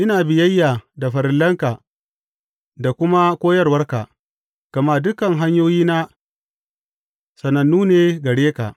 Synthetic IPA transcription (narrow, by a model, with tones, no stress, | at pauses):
ʔɪ˦naː˨bɪ˨jɐ˦jːaː˨da˨ɸɐ˨ɾɪ˨lːɐ˦ŋka˨ | da˨kʷʊ˦ma˦kʷoː˦jɐ˦rwɐ˦rka̰˨ | ɡ̥ɐ˨maː˦˨dʊ˦kɐ˨ŋɦa˦ɲjoː˦jiː˦na˦ | sɐ˨nɐ˨nːuː˦neː˦ɡɐ˨ɽeː˦ka̰˨